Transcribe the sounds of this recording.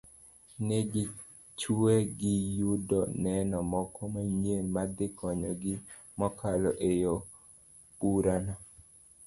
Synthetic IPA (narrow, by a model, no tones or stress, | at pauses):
neɡɪ | t͡ʃueɡɪjudɔnɛnɔmɔkɔmaɲelmad̪ɪkʰɔɲɔɡɪ | mɔkʰalɔʔejo | buɾana